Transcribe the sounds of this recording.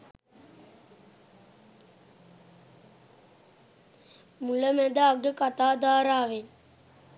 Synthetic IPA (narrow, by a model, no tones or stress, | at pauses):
muləmæd̪əaɡəkat̪aːd̪aːɾaːʋen